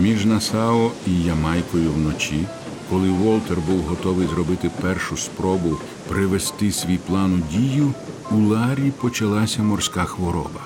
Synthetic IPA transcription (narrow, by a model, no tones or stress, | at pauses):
mʲiʒnɐsɑɔijɐmɑjkɔjʊwnɔt͡ʃi | kɔlˠɪʋɔlˠt̪erbuwɦɔt̪ɔʋɪjzɾɔbɪt̪ɪpɛrʃʊspɾɔbʊw | pɾɪʋest̪ɪsʲʋʲijplˠɑnʊdʲijʊulˠɑɾʲipɔt͡ʃɐlˠɑsʲɐmɔrsʲkaxʋɔɾɔ̰bɐ